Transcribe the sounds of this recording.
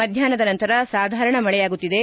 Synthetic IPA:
ɐd̪ʱjaːnɐd̪ɐnɐnt̪ɐɾɐsaːd̪ʱaːɾɐɳɐmɐɭɛjaːɡut̪ːid̪e̞

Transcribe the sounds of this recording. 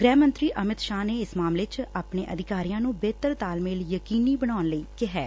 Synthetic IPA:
ɡɾɛːmə̃nt̪ɾiːʔəmɪt̪ʃaːneːɪsmaːmleːt͡ʃaːpɳeːʔəd̪ɪkaːɾijãːnũːbeːt̪əɾt̪aːlmeːljəkiːniːbəɽaːnləiːkɪɦɛː

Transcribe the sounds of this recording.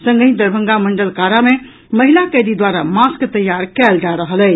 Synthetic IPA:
sə̃ŋɡəĩd̪əɾbʱə̃ŋɡamə̃ɳɖəlkaɾamẽ | məɦilakəɾid̪waɾamaskt̪əjːaɾkɛːld͡ʒaɾəɦəlɛː

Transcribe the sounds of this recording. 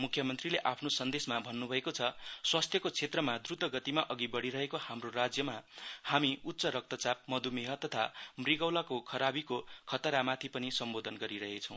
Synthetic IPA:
mukʰːjʌmʌnt̪rileʔapʰnosʌnd̪esmabʱʌnːubʱʌekot͡sʰʌswast̪ʰjʌkot͡sʰet̪rʌmad̪rud̪ʱʌɡʌt̪imaʔʌɡibʌɽiɾʌɦekohamrorad͡zjʌmahamiut̪ːsʌɾʌk̚t̪ʌt͡sap̚mʌd̪umeɦʌt̪ʌt̪ʰamriɡʌwlakokʰʌɾabikokʰʌt̪ʌɾamat̪ʰipʌnisʌmbod̪ʱʌnɡʌɾiɾʌɦet͡sʰʌ̃w̃

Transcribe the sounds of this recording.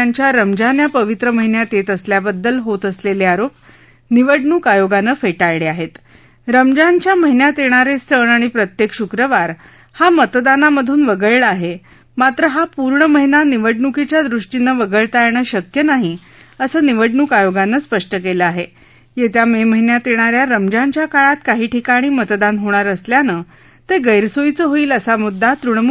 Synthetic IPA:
aɲt͡ɕjaɾəmd͡ʑanjapəʋit̪ɾəməɦinjat̪et̪əsljabəd̪ːəlɦot̪əsleleaɾop̚ | niʋəɖɳukajoɡanəːfeʈaɭɭeaɦet̪ | ɾəmd͡ʑant͡ɕjaməɦinjat̪jeɽ̃aɾest̪əɳaɽ̃ipɾət̪jekɕukɾəʋaɾ | hamət̪d̪anaməd̪ʱuːnʋəɡəɭɭəaːɦe | mat̪ɾəɦapuɾɳəməɦinaniʋəɖɳukit͡ɕjad̪ɾuʂʈinːəʋəɡəɭt̪ajɳəɕəkjənaɦi | əsəːniʋəɖɳukajoɡanːəːspəʂʈəkeləaɦe | jet̪jameməɦinjat̪jeɳ̃aɾjaɾəmd͡ʑant͡ɕjakaɭat̪kaɦiːʈʰikaɽ̃iːmət̪d̪anɦoɽ̃aɾəsljanəː | t̪eɡəjɾsoit͡səːɦoiːləsamud̪ʱːat̪ɾuɳmu

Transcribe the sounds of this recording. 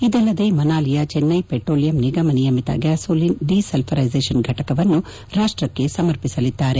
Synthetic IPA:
id̪ɛlːɐd̪e̞ːmɐnaːlijɐt͡ʃenːɐjpeʈɾoːlijɐmniɡɐmɐnijɐmit̪ɐ̰ɡaːsoːlinɖisɐlpʰɐɾɐjzeːʂɐnɡʱɐʈɐkɐʋɐnːu | ɾaːʂʈɾɐkːe̞sɐmɐɾpisɐlid̪ːaːɾe̞

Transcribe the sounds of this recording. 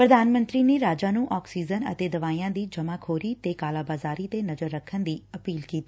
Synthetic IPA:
pɾəd̪aːnmə̃nt̪ɾiːneːɾaːd͡ʒaːnũːʔɔːksiːd͡ʒənə̰t̪eːd̪əʋaːijãːd̪iːd͡ʒəmãːkʰoːɾiːt̪eːkaːlaːbaːzaːɾiːt̪enəzəɾːəkʰːənd̪iːəpiːlkiːt̪iː

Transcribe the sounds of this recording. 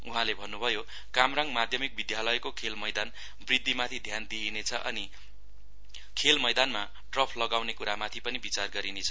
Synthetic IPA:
uɦãlebʱʌnːubʱʌjo | kamraŋmad̪ʱjʌmik̚bid̪jalʌjkokʰelmʌjd̪an | brid̪ːimat̪ʰid̪ʱjand̪ienet͡sʰʌʔʌ̰ni | kʰelmʌjd̪anma | ʈrʌpʰlʌɡawnekuɾamat̪ʰipʌnibit͡sarɡʌɾinet͡sʰʌ̥

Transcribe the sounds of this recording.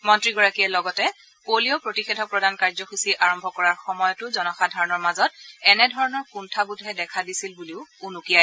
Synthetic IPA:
mɔntɹiɡɔɹakijɛlɔɡɔtɛ | kolijɔpɹotixedʱɔpɹɔdankaɹzɔxisiʔaɹɔmbʱɔkɔɹaɹxɔmɔjɔtʊzɔnɔxadʱaɹɔnɔɹmazɔt̚ɛnɛdʱɔɹɔnɔɹkuntʰabudʱɦɛdɛkʰadisilbuliʊunukijaj

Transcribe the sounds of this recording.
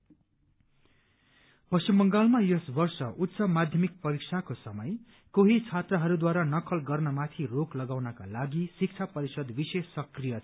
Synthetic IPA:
pʌsimbʌŋɡalmajʌsbʌrsʌʔut̪ːsʌmad̪ʱjʌmik̚pʌɾiksʰakosʌmʌj | koɦit͡sʰat̪rʌɦʌɾud̪waɾanʌkʰʌlɡʌrnʌmat̪ʰiroklʌɡawnʌka̰laɡisik̚t͡sʰapʌɾisʌd̪bisesːʌkrijʌ

